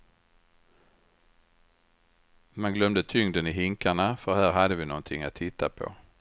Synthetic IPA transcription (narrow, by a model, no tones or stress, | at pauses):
manɡlœmd̪ət̪ʰʏŋd̪ənɪɦɪŋkaɳafœɾhæːɾɦad̪ːəvɪnɔnt̪ʰɪŋːat̪ʰːɪt̪ʰːapʰɔ̰